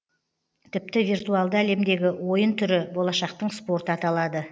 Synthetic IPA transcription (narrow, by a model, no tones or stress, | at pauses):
t̪ʰɪp̚t̪ɪvirt̪uɑlˠd̪əæle̞md̪e̞ɡʲɪwo̞jənt̪ʰʏɾɪbo̞lˠɑʃɑq̚t̪əɴspo̞ɾt̪əɑt̪ɑlˠɑd̪ə